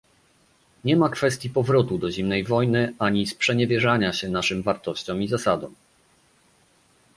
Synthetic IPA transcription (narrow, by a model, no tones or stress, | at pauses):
ɲɛmakfɛst̪ʲjipɔvɾɔt̪ud̪ɔʑimnɛjvɔjnɘaɲispʂɛɲɛvʲjɛʐaɲaɕɛnaʂɘmvaɾt̪ɔɕt͡ɕɔ̃mizasad̪ɔ̰̃w